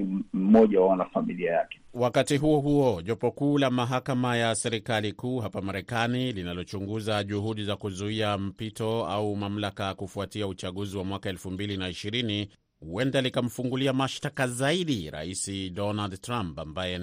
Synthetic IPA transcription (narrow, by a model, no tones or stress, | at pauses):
m̩mɔʄawaanafamiliajakɛ̥wakatiɦuɔɦuɔʄɔpɔkuːlamaɦakamajasɛɾikalikuːɦapamaɾɛkanilinalɔt͡ʃuŋɡuzaʄuɦuɗizakuzuiam̩pitɔaumam̩lakajakufuatiaut͡ʃaɠuziwamwakaɛlfumbilinaiʃiɾini | uwɛndalikam̩fuŋɡuliamaʃtakazaiɗiɾa̰isiɗɔnaldtɾampambajɛ